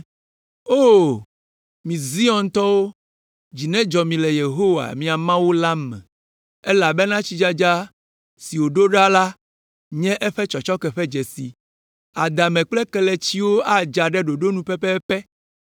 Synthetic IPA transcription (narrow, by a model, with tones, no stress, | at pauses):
o˦ | mĩ˨zi˦ɔ˨nt̪ɔ˦wo˦ | d͡ʑi˨nɛ̃˦d͡ʒɔ˨mĩ˨lɛ˨je˨ɦo˦wa̰˨mĩ˨a˨mã˦wu˦la˦mɛ̰̃˨ | ɛ˦la˨bɛ˦nã˦t͡ɕi˦d͡ʒa˦d͡ʒa˦ | si˨wo˨ɖo˦ɖa˦la˦ | ɲɛ̃˦ʔɛ˦ɸɛ˦t͡ʃɔ˨t͡ʃɔ˦kɛ˨ɸɛ˦d͡ʒɛ˨si˨ | a˨d̪a˨mɛ̃˨k͡plɛ˦kɛ˦lɛ˨t͡ɕi˦wo˦a˦d͡ʒa˨ɖɛ˦ɖo˨ɖo˦nũ˨pɛ˦pɛ˦pɛ˦